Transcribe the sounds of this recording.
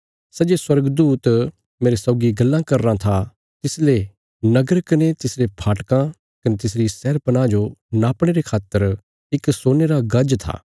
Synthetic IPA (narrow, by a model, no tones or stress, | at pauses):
sɐd͡ʒeswɐɾɡd̪uːt̪ | meːɾesɔːɡiɡɐlːãkɐɾːãt̪ʰa | t̪ɪsle | nɐɡəɾkɐnet̪ɪsɾepʰaːʈkã | kɐnet̪ɪs̬ɾisɛːɾpɐnãd͡ʒonaːpɽ̃eːɾekʰaːt̪əɾ | ɪksoːneɾaɡɐd͡ʒt̪ʰa̰ː